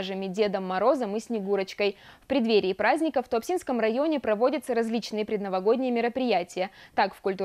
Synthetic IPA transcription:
ʐɨmʲɪdʲe̞d̪əmːɐɾo̞zəmɨsʲnʲɪɡuɾət͡ɕkəjfpɾʲɪd̪vʲeɾʲɪːpɾazʲnʲɪkəft̪oɐpsʲinskəmrɐjo̞nʲɪpɾɐvo̞dʲət̪səɾɐzʲlʲit͡ɕnɨjəpɾʲɪd̪nəvɐɡo̞d̪ʲnʲɪjəmʲɪɾəpɾʲɪjætʲɪjət̪akfkʊlʲt̪u

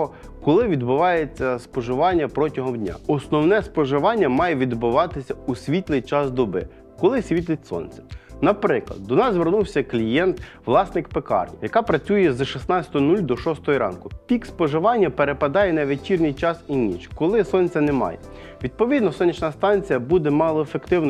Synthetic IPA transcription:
ɔ | kɔlˠɪʋʲid̪bʊʋɑjet͡sʲːɐspɔʒɪʋɑnʲːɐpɾɔtʲɐɦɔmdʲnʲa̰ɔsnɔwnɛspɔʒɪʋɑnʲːɐmɑjɛʋʲid̪bʊʋɑt̪ɪsʲɐusʲʋʲit̪lˠɪjt͡ʃɑzd̪ɔbɪ̰ | kɔlˠɪsʲʋʲit̪lʲˠɪtʲsɔ̰nʲt͡sʲɐ̥nɐpɾɪklˠɐ̰d̪̚ːɔnɑzzʋernuwsʲɐklʲijɛnt̪ | ʋlˠɑsnɪkpekɑ̰rnʲijɐkɑpɾɐt͡sʲujɛzʃisnɑt͡sʲɐ̥t̪ɔɦɔnulʲd̪ɔʃɔst̪ɔɦɔɾɑ̰nkʊpʲikspɔʒɪʋɑnʲːɐpeɾepɐd̪ɑjɛnɐʋet͡ʃʲirnʲɪjt͡ʃɑsinʲit͡ʃkɔlˠɪsɔnʲt͡sʲɐnemɑ̰jɛ̰ | ʋʲid̪̚pɔʋʲid̪nɔsɔnʲːit͡ʃnɐst̪ɑnʲt͡sʲijɐbud̪ɛmɑlˠɔefekt̪ɪwnɔ

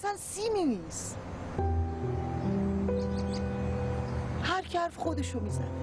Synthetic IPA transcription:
sænsiminiːs | hæɾcʰæɾfxod̪eʃomizæ̰ne

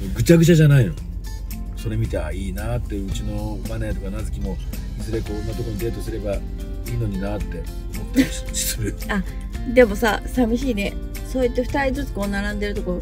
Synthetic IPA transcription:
oɡɯ̟t͡ɕaɡɯ̟t͡ɕaʑanaino | so̞ɾe̞mʲit̪ea̰iːnat̪ːe̞ɯ̟t͡ɕino̞baneːt̪o̞kanazɨkʲimo̞ | zɨɾe̞koɯnːat̪okoɲ̟ize̞ːt̪o̞sɨɾe̞ba | iːno̞ɲ̟inat̪ːe̞ | omo̞t̪ːaɾʲi̥i̥sɨɾɯ̟ | a | d̪e̞mo̞sasamʲiɕiːne | so̞ːet̪ːe̞ɸɯ̟̥t̪aɾʲizɨt͡sɨ̥koːnaɾãnd̪e̞ɾɯ̟t̪oko̞ɾo

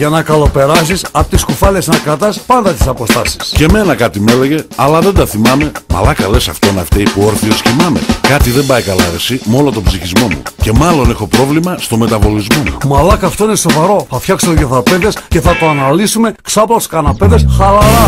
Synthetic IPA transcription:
ʝɐnɐkɐlo̞pe̞ɾɐsisɐpot̪iskufɐlesnɐkɾɐt̪ɐspɐnd̪ɐt̪i̥sɐpo̞st̪ɐsi̥sce̞me̞nɐkɐt̪ime̞le̞ʝe̞ɐlɐðe̞nd̪ɐθimɐme̞mɐ̰lɐkɐle̞sɐft̪o̞nɐft̪eipooɾθioscimɐme̞̰kɐt̪iðe̞mbɐjkɐlɐɾesimo̞lot̪o̞bziçizmo̞mṵce̞mɐlo̞nexo̞pɾo̞vlimɐst̪o̞me̞t̪ɐvo̞lizmo̞mṵmɐlɐkɐft̪o̞ine̞so̞vɐɾo̞θɐfçɐkseoðjoθɐpeðesce̞θɐt̪oɐnɐlisume̞ksɐploskɐnɐpeðesxɐɾɐɐ

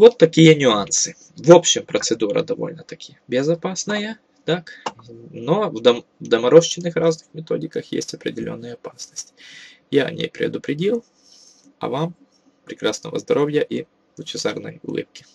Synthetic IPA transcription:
vot̪ːɐkʲijənʲʊansɨ | vopɕːɪmpɾət̪sɨd̪uɾə̰d̪ɐvo̞̰lʲnət̪ɐkʲijəbʲɪzɐpasnɨjə | t̪ak | novd̪ɐmvd̪ɐmɐɾoʃt͡ɕɪnːɨxraznɨxmʲɪt̪o̞dʲɪkəxjḛsʲtʲɐpɾʲɪdʲɪlʲo̞̰nːɨjəɐpasnəsʲtʲ | jaɐ̰nʲḛjpɾʲɪ̰d̪ʊpɾʲɪdʲilˠ | ɐ̰vam | pɾʲɪkɾasnə̰və̰zd̪ɐɾʔovʲjəʔi | lʊt͡ɕɪzarnə̰jʊ̰lˠɨ̰p̚kʲɪ̥

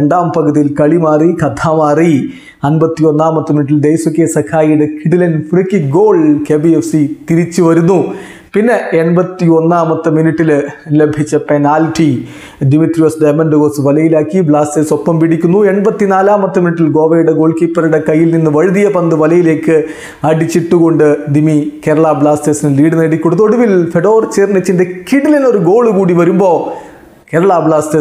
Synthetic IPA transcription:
ɳɖaːmpɐɡɐðijilkɐɭimaːrikɐt̪ʰaːmaːri | ɐnbɐt̪ːio̞nːaːmɐt̪ːɨminiʈ̬ːild̪ejsɐkːeːsɐkʰaːjiɽekʰiɽilɐnfrikːiɡoːɭkeːbiefsit̪iɾit͡ɕːɨʋɐɾunːu | pinːe̞eɳbɐt̪ːio̞nːaːmɐt̪ːɨminiʈːilnilɐbʱit͡ɕːɐpenaːlʈi | d̪imit̪ɾijosɖɐjmɐnɖɨɣoːsɨʋɐlɐjilaːkːibɭaːsteːso̞pːɐmpiɽikʲːunːue̞ɳbɐt̪ːinaːlaːmɐt̪ːɐminiʈːilɡo̞ːʋɐjuɽe̞ɡo̞ːɭkiːpːɐruɽe̞kɐjːilninːɨʋɐɻɨd̪ijɐpɐnd̪ɨʋɐlɐjile̞ːkːɨ | ɐɽit͡ɕːiʈːuɣo̞ɳɖɨd̪imike̞ːɾɐɭaːbɭaːstesinɨliːɽɨnɐɽikʲːuɽut̪ːo̞ɽuʋilfeɖo̞ːrt͡ɕeːrnɐt͡ɕːindekiɽilino̞ɾuɡo̞ːɭukuːɽiʋɐɾumbo̞ː | ke̞ːɾɐɭaːbɭaːste

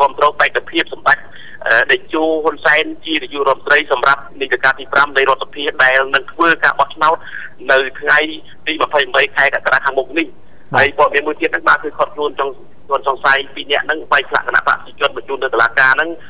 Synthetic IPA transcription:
kŏəmt̪rɔːpaɛkːapʰiəp̚sɑmɗac̚ | ʔəːɗat͡ɕoːɦunsaɛnt͡ɕiənijuʔroɔət̪mənt̪rəjsɑmrap̚nit̪akaːt̪iːpramnɨjɾŏət̪̚sḁpʰiəhɗaɛlnɨŋt̪ʰʋəːkaːɓɑht͡ɕʰnaɔt̪̚ | nɨwt̪ʰŋaj | t̪iːmapʰəjmɓəjkʰaɛkakaɗaːkʰaːŋmuk̚nih | aəjpoɔəɾɑmiənmuəjt̪iət̪̚nɨŋɓaːkɨːkʰot̪̚kʰluənt͡ɕŋ | uənsɑŋsajpiːnɛ̆əʔnɨŋɓaɛk̚pʰla̰ʔkəna̰ʔpa̰ʔpʰə̥t͡ɕiət͡ɕʊ̆ənɓɑt͡ɕuːlnɨwt̪olaːkaːnɨŋ

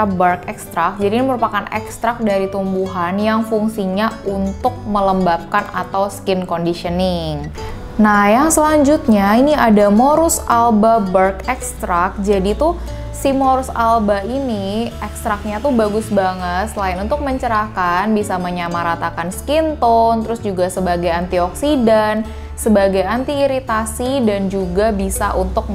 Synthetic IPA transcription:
abərkɛkst̪ɾak̚d͡ʒadiniməɾupakanɛ̰kst̪ɾak̚daɾit̪umbuɦanjaŋfuŋsiɲaunt̪ʊk̚mələmbap̚kana̰t̪awskɪnkɔndiʃənɪŋ | nahjaŋsəlaɲd͡ʒut̪̚ɲainiadamoɾʊsalbabərkɛkst̪ɾak̚d͡ʒadit̪u | simoɾʊsalbainiɛkst̪ɾak̚ɲat̪ubaɡʊsbaŋət̪səlaɪnunt̪ʊk̚məɲt͡ʃəɾakanbisaməɲamaɾat̪akanskint̪ɔnt̪əɾʊsd͡ʒuɡasəbaɡajant̪iɔksidan | səbaɡajant̪iːɾit̪asidand͡ʒuɡabisaʔunt̪ʊk̚

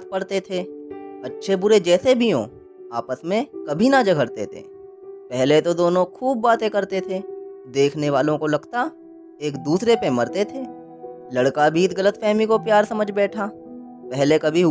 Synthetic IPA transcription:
t̪̚pɐɽt̪et̪ʰeːɐtːʃʰebʊɾed͡ʒɛːsebʱijõ̰ | aːpəsmẽkɐbʱinad͡ʒɐɡʱəɽt̪ḛt̪ʰḛː | pɛɦlet̪od̪oːnõkʰuːb̚ːaːt̪ẽkɐɾt̪et̪ʰed̪eːkʰneʋaːlõkolɐɡt̪a | eːkd̪uːsɾepemɐɾt̪et̪ʰeː | lɐɽkabʱiːt̪ɡɐlət̪fɛɦmikopjaːɾsɐməd͡ʒʱbɛːʈʰaː | pɛɦlekɐbʱiɦ

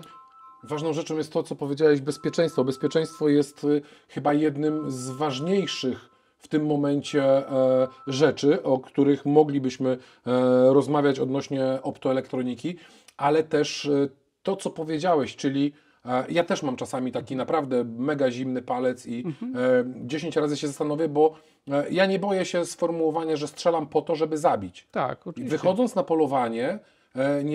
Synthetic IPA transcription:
vaʐnɔ̃w̃ʐɛt͡ʂɔ̃w̃jɛst̪ːɔt̪sɔpɔvʲjed͡ʑawɛʑbɛspʲjɛt͡ʂɛ̃j̃st̪fɔbɛspʲjɛt͡ʂɛj̃st̪fɔjɛst̪xɘbajɛd̪nɘmzvaʐɲejʂɘx | ft̪ɘmːɔmɛɲt͡ɕɛ | ʐɛt͡ʂɘʔɔkt̪uɾɘxmɔɡlʲibɘɕmɘ | ɾɔzmavʲjat͡ɕɔd̪nɔɕɲɛʔɔpt̪ɔɛlɛkt̪ɾɔɲikʲi | ʔalɛt̪ɛʂ | t̪ɔt̪sɔpɔvʲjed͡ʑawɛɕt͡ʂɘlʲi | jat̪ɛʂmamt͡ʂasamʲit̪akʲinapɾavd̪ɛmɛɡaʑimnɘpalɛt̪si | d͡ʑeɕeɲt͡ɕɾazɘɕɛzast̪anɔvʲjɛbɔ | jaɲɛbɔjɛɕɛsfɔɾmuwɔvaɲaʐɛstʂɛlampɔt̪ɔʐɛbɘzabʲit͡ɕt̪akvɨxɔd̪zɔnt̪snapɔlɔvaɲɛ | ɲ

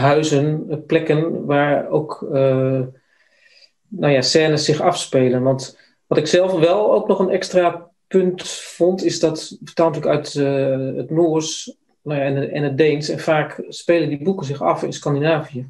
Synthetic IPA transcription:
ɦœɥzənplɛkənʋaːɹowk | nowjasɛːnəsɪχɑfspejlənʋɑnt | ʋɑtɪksɛlˠfʋɛlˠowknɔχənɛkstra | pɵntfɔntɪzdɑtfətalntyːəkœɥt | ətnoːɹs | nowjaɛnɛnət̚dejnsɛnfaːkspeːləndibukənzɪxɑfɪnskɑndinaːvijə

